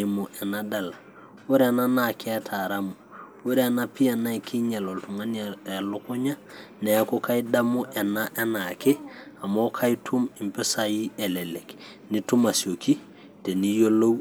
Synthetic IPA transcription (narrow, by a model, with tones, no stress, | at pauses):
mu˨ʔɛ˨nada˨la | wu˦ɾanana˨ke˦a˦tʰaɾamu˨wu˦ɾana˦pi˦a˨na˦i˨ki˦ɲe˨lo˨ltu˨ŋa˦nelo˦ko˦ɲa˦nɛ˨a˦ko˦ka˦jda˦mu˦ʔɛ˨na˦ʔe˦nake˦a˨mo˦kʰa˦jitʰu˦mi˨mpe˦saji˦ele˨le˨k | ni˦tu˦ma˨sjo˨ki˦ | te˨ni˦jo˦lo˦w